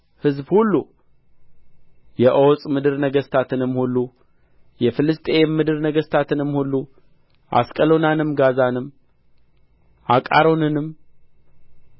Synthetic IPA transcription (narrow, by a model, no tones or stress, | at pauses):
hɨzbhulːu | jɛʔowsʼmɨd̪ɨɾnəɡəst̪ʰat̪ʰɨnɨmːhulːu | jɛfɨlɨst̪ʼemːɨd̪ɨɾnəɡəst̪ʰat̪ʰɨnɨmhulːu | ʔa̰skʼəlo̞nanɨmɡazanɨm | ʔakʼa̰ɾo̞nɨnɨm